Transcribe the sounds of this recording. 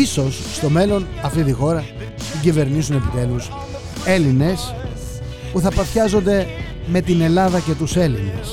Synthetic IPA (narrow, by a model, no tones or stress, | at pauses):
iso̞sːt̪o̞me̞lo̞nɐft̪it̪ixo̞ɾɐ | θiɟive̞ɾnisune̞pit̪e̞lus | e̞line̞s | puθɐpɐfçɐzo̞nd̪e̞ | me̞t̪ine̞lɐðɐce̞t̪use̞line̞s